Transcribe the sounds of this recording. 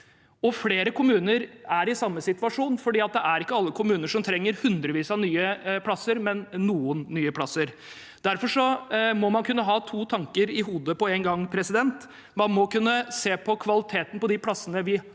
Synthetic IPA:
ɔfleːɾəkʰʊmʉːnəɾæɾɪsɑmːəsɪt̪ʋɑʂuːnfɔɖiːɑt̪̚d̪ɛʔæɾɪkːəɑlːəkʰʊmʉːnəʂɔmt̪ʰɾɛŋːəɾhʉnd̪ɾəʋiːsɑnyːəpʰlɑsːəɾmɛnːuːənːyːəpʰlɑsəɾ | d̪̥æɾfɔʂɔmɔmɑnkʰʉnːəɦɑːt̪ʰuːt̪ʰɑŋkəɾɪɦuːd̪əpɔeːnɡɑŋːpʰɾɛsɪd̪ɛnt̪ | mɑnmɔkʉnːəseːpʰɔkʰʋɑlɪt̪ʰeːt̪ən̩pɔd̪ɪpʰlɑsːənəʋɪ

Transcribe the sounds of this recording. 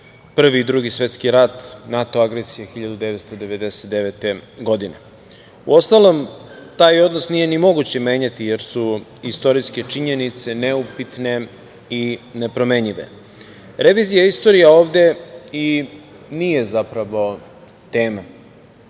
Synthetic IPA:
pr̩ʋid̪ɾuɡisʋe̞t̪skiɾat̪nat̪o̞aɡɾesijexiʎad̪ud̪eʋet̪st̪o̞d̪e̞ʋe̞d̪e̞se̥t̪d̪eʋet̪eɡo̞d̪inḛ | ṵo̞st̪alˠomt̪aːjo̞d̪nosnije̞nimo̞ɡut͡ɕemeːɲat̪ije̞ɾsuist̪o̞ɾiske̞t͡ʂiɲenit̪se̞neupit̪ne̞ | ine̞pɾo̞me̞ɲiʋḛ | ɾe̞ʋiːzijaist̪o̞ɾijaoːʋd̪e̞i | nije̞zapɾaʋo̞ | t̪eːma

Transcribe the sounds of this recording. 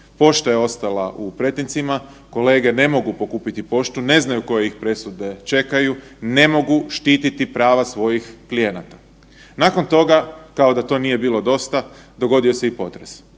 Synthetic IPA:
po̞ʃt̪ajeo̞st̪alaʔupɾe̞t̪int̪sima | ko̞le̞ːɡe̞ne̞mo̞ɡupo̞kuːpit̪ipo̞ʃt̪une̞znajuko̞jeixpɾe̞sud̪e̞t͡ʃe̞kajune̞mo̞ɡuʃt̪iːt̪it̪ipɾaːʋasʋo̞jixklije̞nat̪ḁ | nako̞nt̪o̞ɡakao̞d̪at̪o̞ːnije̞biːlo̞d̪o̞st̪ad̪o̞ɡo̞d̪io̞se̞ipo̞t̪ɾes

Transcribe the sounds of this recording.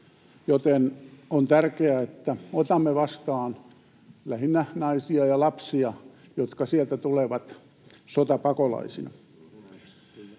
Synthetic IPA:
jot̪enont̪ærkeæet̪ːæot̪ɑmːeʋɑst̪ɑːn | læhinːænɑisiɑjɑlɑpsiɑjot̪kɑsielt̪æt̪uleʋɑt̪ | sot̪ɑpɑkolɑ̰isinɑ̰

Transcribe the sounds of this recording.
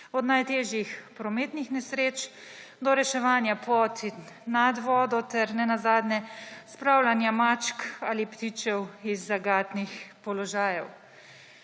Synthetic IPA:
ɔd̪najt̪eːʒjixpɾɔmeːt̪nixnɛsɾeːt͡ʃ | d̪ɔɾɛʃɛʋaːnjapɔːt̪ʰinad̪ʋɔːd̪ɔt̪ɛɾnɛnazaːd̪nɛspɾawlanjamaːt͡ʃkaːlipt̪it͡ʃɛwizːaɡaːt̪nixpɔlɔʒaːjɛw

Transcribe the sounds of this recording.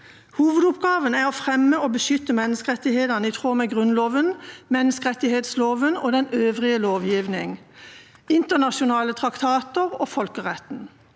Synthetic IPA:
huːʋəd̪ʊpɡɑːʋənæːʁɔːfʁɛmːəoːbəʃʏt̪ːəmɛnːəskəʁɛt̪ɪheːd̪ənəiːt̪ʰʁoːmɛɡʁʉnloːʋənmɛnːəskəʁɛt̪ːɪheːt̪sloːʋənoːd̪ɛnøːʋʁɪəloːʋjiːʋnɪŋ | ɪnt̪əʁnɑʃʊnɑːlət̪ʰʁɑkt̪ʰɑːt̪əʁoːfɔlkəʁɛt̪n̩

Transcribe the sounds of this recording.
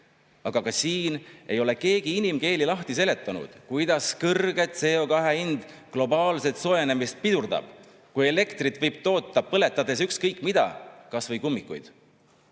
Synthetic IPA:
ɑɡ̥ɑkɑsiːne̞jo̞le̞ke̞ːɡ̥iinimke̞ːlilɑht̪ise̞le̞t̪ːˑɑnṵd̪̥kujd̪̥ɑskɤrɡ̥e̞t̪se̞o̞kɑɦe̞ind̪̥ | klo̞bɑːlse̞t̪so̞jene̞mist̪̚pid̪̥urd̪ɑ̰b̥ | kuje̞le̞kt̪rit̪vɤjb̥̚t̪o̞ːt̪ˑːɑpɤle̞t̪ːˑɑd̪̥es̬ykskɤjkːˑmid̪̥ɑ̰kɑsvɤjkumːikːˑṵjd̪̥

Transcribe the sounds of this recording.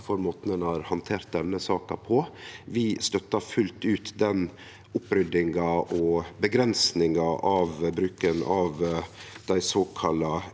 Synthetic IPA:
fɔɾmoːt̪nənhɑːɾhɑnt̪ʰeːɾt̪̚d̪ɛnːəsɑːkɑpʰɔʋɪst̪œt̪ːɑfʉlt̪ʉːt̪d̪ɛn | ʊpːɾʏd̪ɪŋɑʔɔbəɡɾɛnsnɪŋɑʔɑʋbɾʉːkənɑʋd̪̥æɪsoːkʰɑlɑ

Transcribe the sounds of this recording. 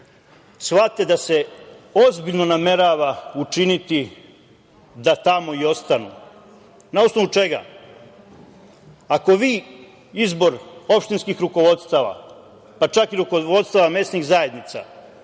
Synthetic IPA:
sʋat̪ːe̞d̪ase̞o̞zbiʎno̞name̞ɾaʋaut͡ʃinit̪i | d̪at̪amo̞io̞st̪anṵ | naosnoʋut͡ʃe̞ɡa̰ | ako̞ʋiː | izbo̞ɾo̞pʃt̪inskixɾuko̞ʋo̞d̪st̪aʋa̰ | pat͡ʃakiɾukoʋo̞d̪st̪aʋame̞sniɣzaje̞d̪nit̪sa̰

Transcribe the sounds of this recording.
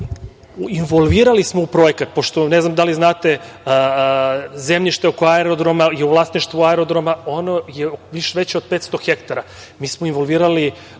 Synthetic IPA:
inʋolˠʋiːɾalismo̞upɾojekat̪̚po̞ʃt̪oneznamd̪aliznaːt̪e | zemʎiʃt̪eokoaeɾod̪ɾomajeuʋlˠasniʃt̪ʋuaeɾod̪ɾomao̞nojeʋiʃeʋet͡ɕeod̪̚pet̪st̪o̞xekt̪aɾa | miːsmoinʋo̞lˠʋiːɾali

